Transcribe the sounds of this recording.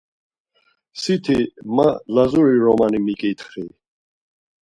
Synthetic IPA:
sit̪ʰimalazuɾiɾɔmanimikʼit̪ʰχi

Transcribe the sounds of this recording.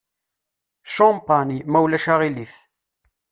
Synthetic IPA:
ʃɔmpɑnimæwlæʃaʁiliθ

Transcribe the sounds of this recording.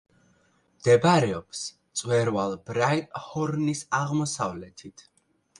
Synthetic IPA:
md̪̥ɛbɾɛɔpst̪sʼwɛɾvalˠbɾajt̪ʼhɔɾnisaʁmɔsavlɛt̪ʰit̪ʰ

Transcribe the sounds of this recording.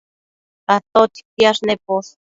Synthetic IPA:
t̪aht̪ot̪i̥kiaʃnepos

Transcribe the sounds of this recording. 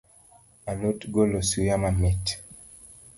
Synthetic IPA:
alotɡolosujamamit

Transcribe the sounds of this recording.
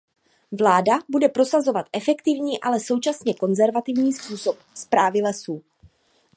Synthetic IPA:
vlaːdabudɛpɾo̞sazo̞vat̪ʔɛfɛkt̪ɪvɲiːʔalɛso̞wt͡ʃasɲɛko̞nzɛɾvat̪ɪvɲiːspuːso̞p̚spɾaːvɪlɛsuː

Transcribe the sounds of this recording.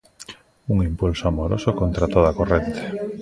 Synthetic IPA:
uŋimpulsoamoɾo̰sokont̪ɾat̪oð̞akorent̪e̥

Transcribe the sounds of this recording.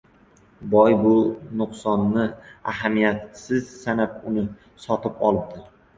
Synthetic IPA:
bɒjbʊnʊqsɒnːɪaɦamijat̪sɪzsanap̚ʊnɪ | sɒt̪ɪpɒ̰lˠɪp̚d̪ɪɾ

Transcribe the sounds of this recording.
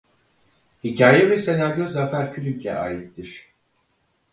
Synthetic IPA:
hicʰaːjɛvɛse̞naɾjozafæɾcʰylʲycʰɛ̰ʔaːjit̪d̪iɾ̥

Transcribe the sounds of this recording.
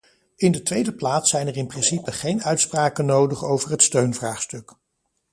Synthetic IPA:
ɪndətʋejdəplaːtsɛjnərɪnprɪnsipəχejnœɥtspraːkənowdəχowvəɹɦətstøɥnvraːχstɵk

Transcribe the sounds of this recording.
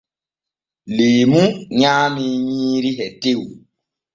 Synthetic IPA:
leːmũɲaːmiɲĩːɾiɦɛtew

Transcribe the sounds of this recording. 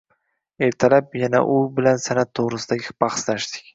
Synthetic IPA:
e̞ɾt̪ʰalap̚jana̰ʔʊbɪlansanat̪ʰːoʁɾɪsɪd̪aɡʲɪbɑχslaʃt̪ɪ̥kʲ

